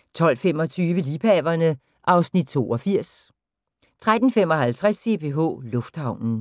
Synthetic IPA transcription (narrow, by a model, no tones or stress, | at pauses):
t͡sʰɒ̽l̰fem̰ɒ̽t͡sʰyːʋəliːpʰɛʋɐnə | ʔɑ̈ʊsnid̥̚t͡sʰo̝̰ːɒ̽fiɐ̰s | t͡sʰʁad̥n̩fem̰ɒ̽ɦælt͡sʰʁase̝pʰe̝ɦɔ̰ːlɔ̽fd̥hɑ̈ʊ̰nn̩